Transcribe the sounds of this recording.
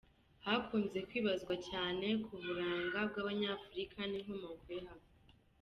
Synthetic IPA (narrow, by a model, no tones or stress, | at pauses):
hakuːnze̞kwiːβazɡwacaːne̞kʰuβuɾaːŋɡab̚ɡaːβaɲafuɾikʰanimomaukuɾiɦamo